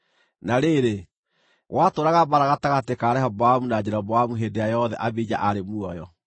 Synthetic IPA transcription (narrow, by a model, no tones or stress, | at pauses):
naɾeɾe | ɣwʔatoːɾaɣabaɾaɣataɣatekaːɾɛɦabwamunad͡ʑeɾabwamuɦeːdejajɔðɛʔabid͡ʑa̰ʔaɾemuɔjɔ